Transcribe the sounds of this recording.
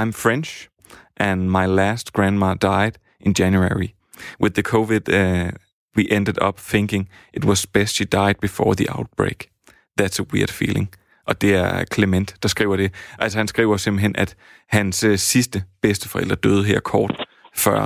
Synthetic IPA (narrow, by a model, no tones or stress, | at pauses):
ɑ̈ɪmfɹʁɛnɕ | ʔænmɑ̈ɪlæsd̥̚ɡ̥ʁæ̃nd̥mɑɐd̥ɑ̈ɪd̥ | ʔenjænjueɹi | wɪðːəkʰoʋid̥ | wiʔend̥ədˠɒ̽b̥θeŋkɪ̝ŋ | ʔe̝dwɒz̥b̥esd̥ʃid̥ɑ̈ɪd̥̚b̥ifɒ̰ːðiʔaʊd̥̚b̥ʁḛɪɡ̥ | ðæd̥səwiɐd̥fḭːle̝ŋ | ʔɒ̽d̥e̝æɐkʰlemen̰d̥ɑ̈sɡ̥ʁḭʊɐɾ̥e̝ʔælsɒhænsɡ̥ʁḭːʊɐse̝mb̥l̩ɦenæd̥ | hænssisd̥əb̥esd̥əfɒ̽ḛl̰d̥ʁɐd̥øð̞ˠɦeɐ̰kʰɒːd̥ | fɶɐ̰